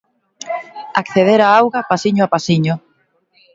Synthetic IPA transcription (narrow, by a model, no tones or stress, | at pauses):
akθeðeɾaawɣapasiɲoapasiɲʊ